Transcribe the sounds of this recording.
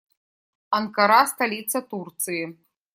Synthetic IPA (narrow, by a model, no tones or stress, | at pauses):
ɐnkaɾast̪alʲit̪sɐt̪urt̪sɨji